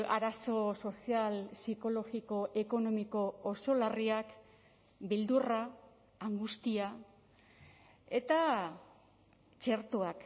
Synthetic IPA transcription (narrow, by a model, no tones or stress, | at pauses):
a̰ɾaso̞so̞sialsiko̞lo̞ɣiko̞ʔe̞ko̞no̞miko̞ːso̞lariak | bild̪uraː | ŋɡust̪ia | e̞t̪a | t͡ʃe̞ɾt̪uak